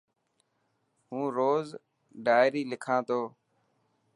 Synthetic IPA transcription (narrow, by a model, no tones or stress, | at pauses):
ɦũːɾoːz | ɖaːɪɾiːlɪkʰãːt̪ʰoː